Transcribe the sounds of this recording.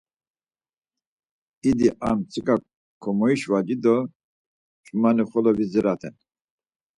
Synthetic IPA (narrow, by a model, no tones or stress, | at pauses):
id̪iʔa̰mt͡sʰʼikʼa | kʰɔmɔiʃvad͡ʒid̪ɔ | t͡ʃʼumaniχɔlɔvizɛɾat̪ʰɛ̰n